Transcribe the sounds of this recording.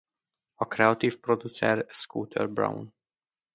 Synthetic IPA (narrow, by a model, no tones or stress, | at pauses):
ɒkɾɛɒt̪iːfprod̪ut̪sɛ̰rskuːt̪ʰɛ̰rbɾa̰wn